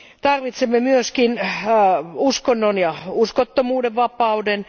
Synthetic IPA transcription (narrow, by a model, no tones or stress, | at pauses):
t̪ɑrʋit̪semːemyøskin | uskonːonjɑuskot̪ːomuːdeʋʋɑpɑuden